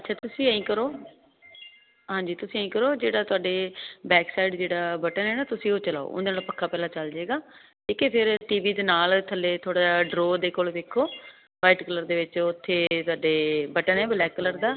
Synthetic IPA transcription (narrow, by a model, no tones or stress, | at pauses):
ətːʃʰaːt̪ʊsĩːĩːkəɾoː | ɦãːɲd͡ʒiːt̪ʊsĩːəĩːkəɾoːd͡ʒeːɽaːt̪ʊaːɖeːbɛːksaːiɖd͡ʒeːɽaːbəʈənɛːnaːt̪ʊsĩːoːt͡ʃəla̰ːo̰ːʔʊ̰nd̪eːnaːlpəkʰːaːpɛːlãːt͡ʃəld͡ʒeːɡaːkiːkepʰɪɾʈiːʋiːd̪eːnaːlt̪ʰəlːeːt̪ʰoːɽaːɖɾoːd̪eːkoːlʋeːkʰːoː | paːɪʈkələɾd̪eːʋɪt͡ʃʊt̪ʰːeːt̪ʊaːɖeːbəʈənɦɛːbəlɛːkːələɾd̪aː